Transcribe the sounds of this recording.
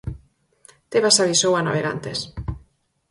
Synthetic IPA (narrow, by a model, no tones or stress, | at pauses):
t̪eβasaβisowana̰βeɣa̰nt̪es